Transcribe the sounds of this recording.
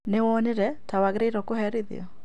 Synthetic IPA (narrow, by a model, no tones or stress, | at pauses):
newɔneɾɛtawaɣɾeiɾɔkohɛɾiðḭɔ̰